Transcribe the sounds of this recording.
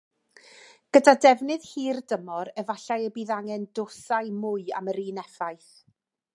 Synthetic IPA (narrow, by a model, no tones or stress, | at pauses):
ɡ̥ədadɛvnɨðhiːrdəmɔɾɛvaɬajəbiːðaŋɛndʊsaɨmʊɨa̰məɾiːnɛfajθ